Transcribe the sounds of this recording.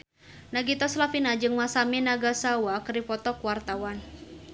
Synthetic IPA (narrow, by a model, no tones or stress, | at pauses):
naɡit̪ɔslafinad͡ʒɨŋmasaminaɡasawakɨripɔt̪ɔkwart̪awan